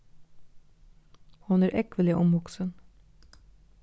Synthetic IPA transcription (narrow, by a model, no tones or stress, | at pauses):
hɑnæːɾʔɛkʋəlɪʔɔmʋɔksən